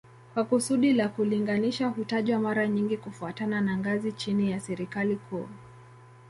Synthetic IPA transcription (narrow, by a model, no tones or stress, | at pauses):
kwakusuɗilakuliŋɡaniʃaɦutaʄwamaɾaɲiŋɡikufuatananaŋɡazit͡ʃinijasɛɾikalikʰṵ